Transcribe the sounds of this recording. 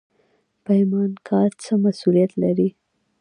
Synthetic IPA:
pəhɪmɑnkʰɑɾt͡səmasulijat̪laɾi

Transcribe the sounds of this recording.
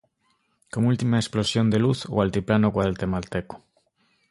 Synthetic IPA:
komult̪imaesplosjond̪eluθo̰alt̪iplanokwaðelt̪emalt̪eko̥

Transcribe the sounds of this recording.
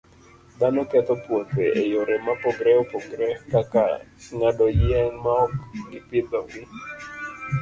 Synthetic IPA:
d̪anɔkɛt̪ɔpwoteʔejoɾɛmapɔɡɾɛopɔɡɾɛkaka̰sŋadɔjɪɛnmaɔkɡɪpɪd̪ɔwɪ

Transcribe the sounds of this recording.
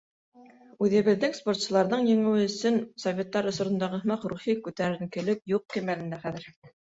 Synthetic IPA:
ʉðɘ̆βɘ̆ðːɘŋspo̞rt̪sɤ̆lˠɑɾðɤɴjɘ̆ŋɘ̆wɘɵ̆sɵnsovʲet̪ːɑɾŏsŏɾŏnd̪ɑʁɤ̆θmɑqɾuχikʉt̪æɾɘ̆ŋkɘ̆lɘp̚juq̚ːimælɘ̆nd̪æχæðɘ̆ɾ

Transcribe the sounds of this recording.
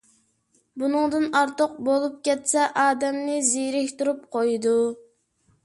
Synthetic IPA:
bunɨŋd̪ɨnɑɾt̪əq̚bolˠup̚kʲɛt̪sɛʔɑːd̪ɛmnɪziɾɪhʲt̪uɾup̚qʰojd̪u

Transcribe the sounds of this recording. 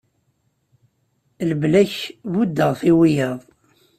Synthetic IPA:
ləblæçvud̪ːəʁθiwijəðˤ

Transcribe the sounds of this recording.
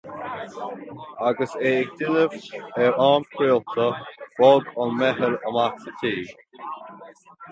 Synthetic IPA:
aɡəseːɪk̚d̪ɪnəvɛɹɑːmkʰɾiːlt̪ʰəwɔɡɔnmɛɦəɾəmaksətʰiːɡ

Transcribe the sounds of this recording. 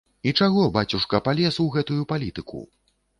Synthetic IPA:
it͡ʂaɣɔbat͡sʲuʂkɐpalʲɛswɣɛt̪ujupalʲit̪ɨkṵ

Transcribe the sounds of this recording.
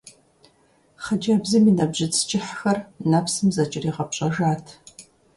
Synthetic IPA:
χɐd͡ʒɐbzɨminɐbʑɪt͡sʰʼt͡ʃʼɪħxɐrnɐpsɨmzɐt͡ʃʼɪriːʁɐpɕʼɐʒaːtʰ

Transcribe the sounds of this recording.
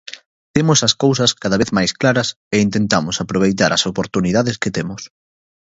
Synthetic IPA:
t̪emʊsɐskows̬ɐskaðɐβ̞eθmajsklaɾɐs | eint̪ent̪amʊsapɾoβ̞ejt̪aɾɐsopoɾt̪uniðaðesket̪emʊs

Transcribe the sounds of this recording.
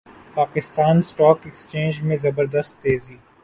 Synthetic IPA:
paːkɪst̪aːnsʈɔːkɛkst͡ʃẽːnd͡ʒmẽzɐbəɾd̪əst̪ːeːziː

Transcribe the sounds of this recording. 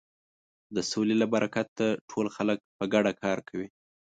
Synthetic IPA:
d̪əsolelabaɾʔakat̪ːaʈʰolxalək̚pəɡaɽakʰɑɾkʰawi

